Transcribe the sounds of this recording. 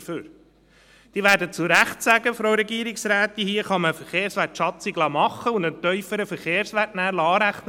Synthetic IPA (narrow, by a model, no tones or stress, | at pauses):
føːɾ | d̥iːʋæːɾdət͡sʊɾæχtsæɡəfɾoɾɛɡiːəɾɪksɾæːt̪ihiəχɑməfəɾχeːɾsʋætʃɑtt͡siɡlɑːmɑχːəʊndənt̪œʏfəɾəfəɾχeːɾsʋætnæːɾlɑɑːɾæχn